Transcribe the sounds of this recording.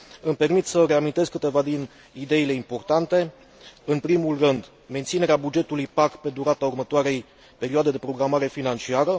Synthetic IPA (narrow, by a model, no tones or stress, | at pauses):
ɨmpe̞rmit̪səɾeamint̪e̞zkɨt̪e̞vad̪in | id̪e̞ile̞impo̞rt̪ant̪e̞ | ɨnpɾimulrɨnd̪ | ment̪sine̞ɾeabud͡ʒe̞t̪ulujpakpe̞d̪uɾat̪aurmət̪oaɾe̞j | pe̞ɾioad̪e̞d̪epɾo̞ɡɾamaɾe̞finant͡ʃiaɾə